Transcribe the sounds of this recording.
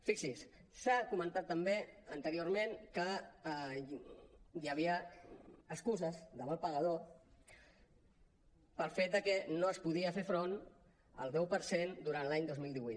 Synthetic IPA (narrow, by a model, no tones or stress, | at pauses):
fiksis | sakumə̃nt̪at̪ːəmbeənt̪əɾiormenkə | jəβ̞iəː | skuzəzðəβalˠpəɣəðo | pəlˠfet̪̚d̪əkɛnoəspuðiəfefɾon | ə̰lˠd̪ɛwpəɾsend̪uɾant̪laɲd̪ozmilˠiβujt̪